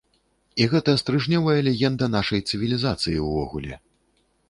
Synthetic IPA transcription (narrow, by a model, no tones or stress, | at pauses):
iɣɛt̪ɐst̪ɾɨʐnʲɔvɐjɐlʲɛɣʲɛnd̪ɐnaʂɐjt̪sɨvʲilʲizat̪sɨjiwvɔ̰ɣulʲɛ̰